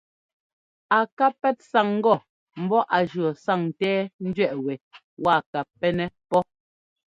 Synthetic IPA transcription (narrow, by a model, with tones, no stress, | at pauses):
a˨ka˦pːɛ˦t̚sa˨ŋ̩˦ɡɔ˨ | m̩˦bɔ˦ʔa˨d͡ʒɰɔ˨sa˦˨ŋtɛː˦n̩˦dɥɛ˦˨ʔwɛ˨ | wa˦˨ka˨pːɛ˦nɛ˦pɔ˦